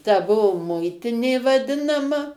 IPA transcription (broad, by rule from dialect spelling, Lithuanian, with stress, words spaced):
tɐ ˈbuɔ ˈmʊɪtʲɪnʲeː ʋɐˈdʲɪnɐmɐ